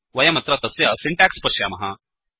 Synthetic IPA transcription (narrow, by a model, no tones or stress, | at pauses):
ʋɐjɐmɐt̪ɾɐt̪ɐsjɐsiɳʈaːkspɐʃjaːmɐɦɐ